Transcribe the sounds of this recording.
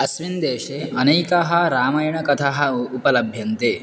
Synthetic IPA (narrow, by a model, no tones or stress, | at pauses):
ɐsʋind̪eːʃeɐneːkɐɦɐɾaːmɐjɐɳɐkɐt̪ʰaɦɐupɐlɐbʱjɐnt̪eː